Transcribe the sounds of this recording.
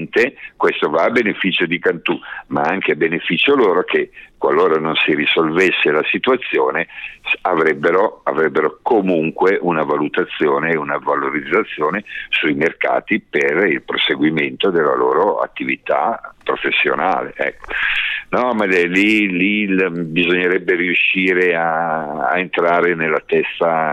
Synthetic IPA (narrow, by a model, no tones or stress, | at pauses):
nt̪ekwest̪ovaːbenefit͡ʃod̪ikant̪umaaŋk̟eabenefit͡ʃoloːɾokekwalːoːɾanonsirisolvesːelasit̪uat̪sːjoːnesavɾɛbːeɾoavɾɛbːeɾokomuŋkweʔunavalut̪at̪sːjoːneːunavaloɾid̪zːat̪sːjoːnesujmerka̰ːt̪iperilpɾoseɡwiment̪od̪elːa̰loːɾoa̰t̪ːivit̪a̰pɾofesːjo̰na̰ːlḛʔɛ̰kːo̥nɔmaɛlilibizoɲːeɾɛbːeɾiuʃːiːɾea̰ː | ent̪ɾaːɾenelːat̪ɛst̪a